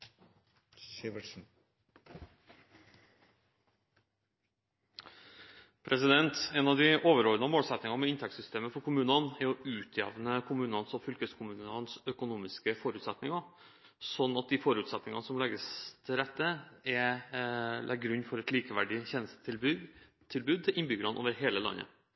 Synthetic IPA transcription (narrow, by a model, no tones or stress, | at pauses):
ʋn̩ | pʰɾʔɛsɪd̪ɛnt̪ɛnɑʋd̪ɪʔoːʋəɾɔlnəmoːlsɛt̪nɪŋɑmɛɪnt̪ʰɛksʏst̪ʰeːməfɔɾkʰʊmʉːnɑnɛɾɔʉːt̪ʰjɛ̰ːʋnəkʰʊmʉːnɑnsɔfʏlkəskʰʊmʉːnɑnsœkʊnuːmɪskəfɔɾʉːt̪sɛt̪nɪŋɑ | sɔnːɑt̪̚d̪ifɔɾʉːt̪sɛt̪nɪŋɑnsɔmlɛɡəst̪ʰɪlɾɛt̪ːəɛ | lʔɛ̰ɡɾʉɲːfɔɾɛt̪liːkəʋæɖɪçɛnəsə | t̪ʰɪlbʉːd̪̚t̪ʰɪlʔɪnbʏɡəɾɑnʔo̰ːʋəɾɦeːləlɑ̰nːə̰